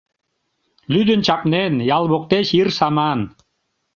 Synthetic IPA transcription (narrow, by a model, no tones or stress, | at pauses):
lyd̪ə̆nt͡ɕɑpnenjɑlˠβok̚t̪eʃirsɑmɑn